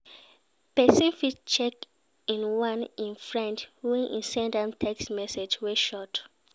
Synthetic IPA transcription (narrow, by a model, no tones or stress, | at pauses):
pɛsĩnfitt͡ʃɛk | ĩnwãnĩnfɹɛ̃ndwĩnʔḭ̃nsɛ̃ndãmtʰɛksmɛsed͡ʒweʃɔt